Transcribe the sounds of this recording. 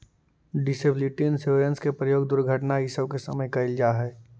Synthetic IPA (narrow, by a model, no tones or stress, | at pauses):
ɖɪsebliʈinseɾə̃nskepɾəjoːɡd̪ʊɾɡʱəʈnaɪsəbkesɐməjkaɪld͡ʒaɦɛː